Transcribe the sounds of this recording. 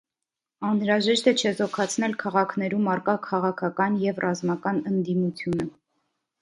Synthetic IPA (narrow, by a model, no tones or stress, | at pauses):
ɑnɾɑʒɛʃt̪ɛt͡ʃʰɛzɔkʰɑt͡sʰnɛlkʰɑʁɑkʰnɛɾumɑrkɑkʰɑʁɑkʰɑkɑnjɛvrɑzmɑkɑnənd̪imut͡sʰjunə